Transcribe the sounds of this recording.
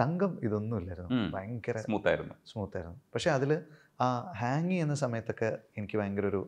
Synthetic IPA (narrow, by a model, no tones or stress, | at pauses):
sɐŋɡɐmiðo̞nːumilːɐːiɾunːuʋajŋɡɐremuːt̪ːa̰ːjiɾunːusmuːt̪ːaːjiɾunːupɐkʂe̞ɐðil | aːhaːŋːienːɐsɐmɐjɐt̪ːo̞kːe̞enikʲːɨʋɐjɐŋɡɐro̞ɾu